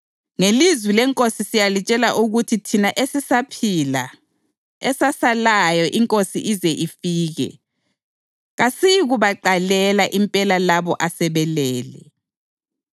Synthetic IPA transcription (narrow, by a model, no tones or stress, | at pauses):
ŋelizwilɛŋkʼosisijalit͡ʃʼɛlaʔuɣutʰitʰinaʔesisapʰila̰ | ɛsasalajɔʔiŋkʼosḭʔizɛʔifiːɣɛ̰ | ɣasijiɣuβaǃalɛlaʔimpʼɛlalaβɔʔasɛβɛlɛːlɛ